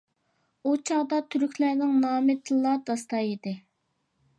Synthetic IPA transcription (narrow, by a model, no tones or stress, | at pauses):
ut͡ʃʰɑʁd̪ɑt̪ʰyɾykʲʰlæɾnɪŋnɑːmɪt̪ʰlˠːɑd̪̥ɑst̪ɑjed̪ɪ